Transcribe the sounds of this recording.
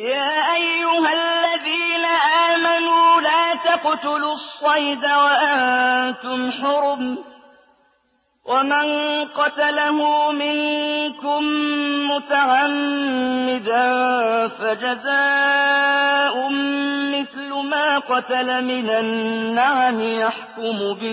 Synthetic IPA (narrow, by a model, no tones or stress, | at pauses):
jaːʔajːʊhalːaðiːnaʔaːmanuːlaːt̪aqt̪ʊlʊsˤːɑjd̪awaʔant̪ʊmħʊɾʊm | wʔamanqɑt̪alahʊmɪŋkʊmːʊt̪aʕamː | ɪd̪a | fad͡ʒazaː | ʔʊmːɪθlʊmaːqɑt̪alamɪnanːaʕamɪjaħkʊmʊbɪ